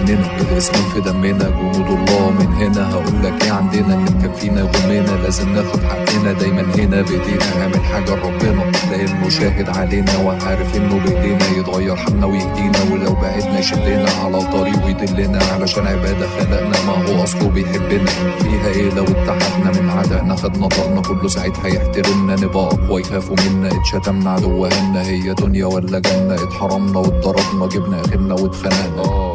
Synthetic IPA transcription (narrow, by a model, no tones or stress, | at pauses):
nːenæbedæsmolfed̪æmːenæbenud̪lˤːɑːmenɦenæɦæʔuːlːækʔeːʕand̪enæʔnːekænfiːnæɣomːenælæːzemnexʊd̪ħad̪ːenæd̪æjmænhenæbeʔd̪iːʔʔæɦæːmelħaːɡæɾˤɑːbenɑlæʔenmoʃæːɦed̪ʕaleːnæweʕaːɾæfʔenːobeʔd̪eːnæjet̪ɣɑjːɑɾˤħaɡnæwjeʔd̪iːnæwelæwbaʕed̪næjʃæbːenæʕalæt̪ˤːɑɾiːʔjd̪elːenæʕalæʃæːnʕebæːd̪æfælæʔnæʔmæɦoːʔɑsˤkubjħebːɪnæfiːɦæʔeːlæwɪt̪ːaħad̪næmɪnʕaːd̪ænæxæd̪næb̪ˤɑʔnækolːosaʕed̪hæjeħt̪ælɪmnænebæːʔɑwɪjxæːfumɪnːæt̪ʃæt̪æmnaʕad̪ʊwːæʔenːæhɪjːæd̪ʊnjæwælːæɡæmnæet̪ħɑɾˤːɑmnæwed̪ˤːɑɾˤɑb̪nɑɡɪbnæʔæxed̪næwet̪fænæʔnæ